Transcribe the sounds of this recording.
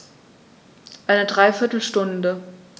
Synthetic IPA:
ʔaɪnədʁaɪfɪɐtl̩ʃtʊndə

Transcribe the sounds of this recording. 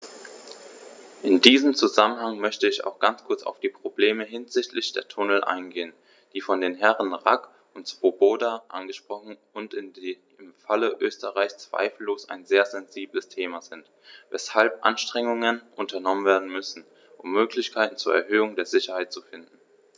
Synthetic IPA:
ʔɪndiːzəm̩t͡suzamənhaŋmœçtəɪça̰ʊxɡ̥ant͡skʰʊɐt͡sa̰ʊfd̥iːpʁ̥obleːməɦɪnzɪçtlɪçd̥eːɐtʰʊnəl̩ʔa̰ɪnɡeːən | d̥iːfɔndeːnɦɛʁənʁak | ʊntsv̥oboːdaʔa̰nɡəʃpʁ̥ɔχn̩ | ʊntɪn | ɪmfaləʔøːstəʁaɪçst͡sv̥a̰ɪfl̩loːsa̰ɪnzeːɐzɛnziːbləstʰeːmazɪnt | vɛshalpʔa̰nʃtʁ̥ɛŋʊŋənʔʊntɐnɔmənveːɐdn̩mʏsn̩ | ʔʊmːøːklɪçkʰaɪtn̩t͡suːɐɛ̰ɐɦøːʊŋdeːɐzɪçɐhaɪt̚t͡sufɪndn̩

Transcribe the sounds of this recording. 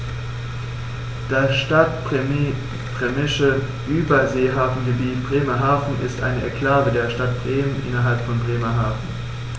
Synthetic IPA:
d̥aʃtat | b̥ʁ̥emɪʃə | ʔyːbɐzeːɦaːfn̩ɡəbiːtb̥ʁeːmɐɦaːfn̩ʔɪ̰stʔa̰ɪnəʔɛ̰kl̥aːvədeːɐʃtat̚b̥ʁeːmənʔɪ̰nɐɦalpfɔnbʁeːmɐɦaːfn̩

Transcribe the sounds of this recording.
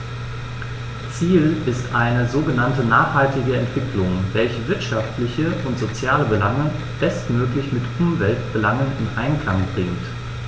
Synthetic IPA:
t͡siːlɪstʔaɪnəzoːɡənantənaːχhaltɪɡəɛntv̥ɪklʊŋvɛlçəvɪɐtʃaftlɪçəʊntz̥ot͡sjaːləbəlaŋə | b̥ɛstmøːklɪçmɪtʔʊmvɛlt̚b̥əlaŋənɪnʔa̰ɪnkl̥aŋbʁɪŋt

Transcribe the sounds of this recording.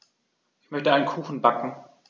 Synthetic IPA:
ʔɪçmœçtəaɪnənkʰuːxn̩bakŋ̩

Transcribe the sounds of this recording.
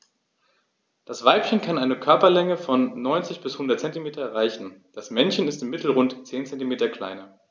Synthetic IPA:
d̥asv̥aɪpçənkʰanʔaɪnəkʰœɐpɐlɛŋəfɔnːɔʏnt͡sɪçb̥ɪshʊndɐt̚t͡sɛntimeːtɐɛʁaɪçn̩d̥asmɛnçənɪstɪmːɪtl̩ʁʊntt͡seːnt͡sɛntimeːtɐkl̥a̰ɪnɐ

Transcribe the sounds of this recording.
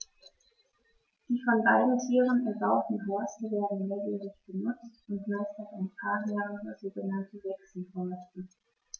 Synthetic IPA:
d̥iːfɔnbaɪdn̩tʰyːʁənɛɐbaʊtn̩ɦɔɐstəveːɐdn̩nɔːviːʁɪçb̥ənʊt͡stʊntmaɪstaaɪnpʰaːnjaːɐz̥oːɡənantəvɛksl̩hɔɐstə

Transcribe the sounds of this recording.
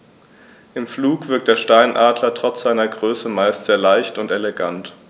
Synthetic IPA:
ʔɪmfluːkv̥ɪɐk̚td̥eːɐʃtaɪnʔaːdlɐtʁ̥ɔt͡sz̥aɪnɐɡʁøːsəmaɪstz̥eːɐlaɪçtʊnteleɡant

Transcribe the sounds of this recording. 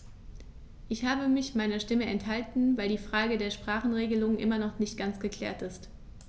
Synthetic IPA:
ʔɪçhaːbəmɪçmaɪnɐʃtɪməɛnthaltn̩vaɪldiːfʁ̥aːɡədeːɐʃpʁ̥aːχn̩ʁeːɡəlʊŋʔɪ̰mɐnɔχnɪçtɡ̥ant͡sɡ̥əkl̥ɛ̰ːɐtɪst

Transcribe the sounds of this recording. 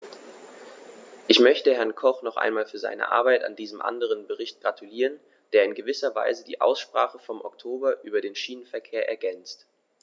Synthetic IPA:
ʔɪçmœçtəhɛɐnkʰɔχnɔχʔa̰ɪnmaːlfyːɐza̰ɪnə̰ʔa̰ɐbaɪta̰ndiːzəmʔa̰ndəʁ̞ənbəʁɪçt̚ɡ̥ʁatʰuliːʁən | d̥eːɐɪnɡəvɪsɐva̰ɪzədḭːʔa̰ʊsʃpʁ̥a̰ːχəfɔmʔɔ̰ktʰoːbɐʔyːbɐdeːnʃiːnənfɛɐkʰeːɐʔɛ̰ɐɡɛnt͡st

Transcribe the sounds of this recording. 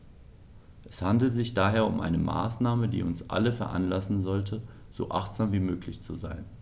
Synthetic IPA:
ʔɛshandl̩zɪçd̥aːɦeːɐʊ̰mʔa̰ɪnəma̰ːsnaːmədḭːʊnsʔa̰ləfɛɐʔa̰nlasn̩zɔltʰə | z̥o̰ːʔa̰χtz̥aːmviːmøːklɪçt͡suzaɪn

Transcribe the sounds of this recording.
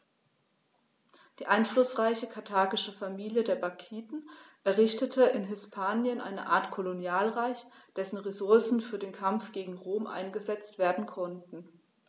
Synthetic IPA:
d̥iːʔaɪnflʊsʁ̥aɪçəkʰaɐtʰaːɡɪʃəfamiːljədeːɐbakʰiːtn̩ʔɛɐʁɪçtətʰəʔɪnɦɪspʰaːnjənʔa̰ɪnə̰ʔa̰ːɐtkʰolonjaːlʁaɪçd̥ɛsn̩ʁezʊɐsn̩fyːɐdeːnkʰamfɡ̥eːɡŋ̩ʁoːmʔa̰ɪnɡəzɛt͡stv̥eːɐdn̩kʰɔntn̩

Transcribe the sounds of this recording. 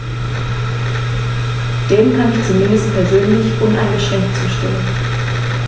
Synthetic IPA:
d̥eːmkʰanɪçt͡sumɪndəstpʰɛɐzøːnlɪçʔʊnʔa̰ɪnɡəʃʁɛŋk̚t͡suːʃtɪ̰mən

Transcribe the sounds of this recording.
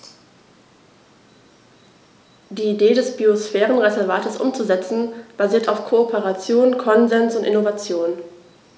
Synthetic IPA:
d̥iːideːdɛsb̥iosfɛːʁənʁezɛɐvaːtəsʔʊ̰mt͡suzɛt͡sn̩b̥aziːɐtaʊfkʰoopʰəʁat͡sjoːnkʰɔnzɛnsʊntʔɪ̰novat͡sjoːn

